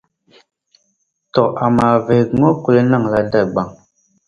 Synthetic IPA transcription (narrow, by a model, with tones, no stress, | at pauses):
tɔ˨ʔa˨ma˨ve˨˦ŋɔ˦ku˨le˦na˦˨ŋla˨nda˦˨ɡ͡ba˨ŋ